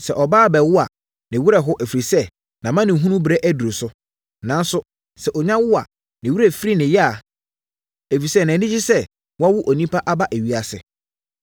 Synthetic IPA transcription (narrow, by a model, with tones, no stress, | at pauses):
sɛ̰˨ʔɔ˨baː˦˨bɛ˨wʊ˦a˨ | nɪ̃˨wu˦ɾɛ˨ɦʊ˦ʔæ˨fɾi˨sɛ˦ | nã˨mã˦nɪ̃˨ɦũ˦nũ˦bɾɛ˦ʔæ˦du˨ɾo˨sʊ˦ | nã˨˦n˦sʊ˦ | sɛ˨ʔɔ˨ɲã˦wʊ˦a̰˨ | nɪ̃˨wu˦ɾæ˨fi˦ɾi˦nɪ̃˨jɪ˦a˨ | æ˨fi˨sɛ˦˨nã˨nɪ̃˦d͡ʑi˦sɛ˦ | wɔ˦a˦wʊ˦ʔɔ˨nĩ˦pʰa˦ʔa˦ba˦ʔæ˨ɥi˦a˨sɪ̰˨